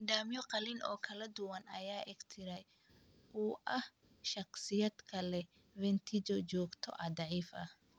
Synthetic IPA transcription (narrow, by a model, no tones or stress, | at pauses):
d̪aːmjɔqɑlɪnʔɔ̰ːkʰɐlɐd̪ʊwɐnɐ̰jaːʔɪɡt̪ʰɪɾɛj | ʔuːʔɐh | ʃɑqsɪjɐd̪kʰɐlɛ | vɛnt̪ʰɪd͡ʒɔt͡ʃɔːɡt̪ʰɔ̰ʔɐd̪ɑʕiːfɐh